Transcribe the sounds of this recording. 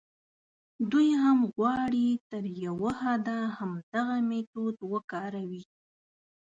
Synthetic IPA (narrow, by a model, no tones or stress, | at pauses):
d̪ujhamɣwɑɽit̪əɾjawəhɑd̪ahamd̪aɣamet̪od̪wəkɑɾawi